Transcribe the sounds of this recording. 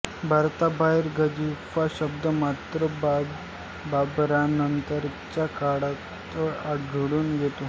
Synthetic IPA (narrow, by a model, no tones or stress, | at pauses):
bʱaɾt̪abaiɾɡəd͡ʑifaɕəb̚d̪əmat̪ɾə | babɾanənt̪əɾt͡ɕakaɽa | t̪əaɡʱɽuːnjet̪o